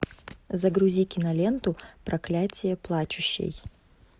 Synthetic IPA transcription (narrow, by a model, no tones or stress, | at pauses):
zɐɡɾʊzʲikʲɪnɐlʲent̪ʊpɾɐklʲatʲɪjɛplˠat͡ʃʊɕːɪ̰j